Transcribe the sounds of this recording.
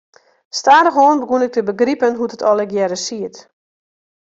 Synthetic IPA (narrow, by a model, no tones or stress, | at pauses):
staːdəxoənbəɡunɪk̚təbəɡripənɦutətɔlˠɛkjɛɾəsiət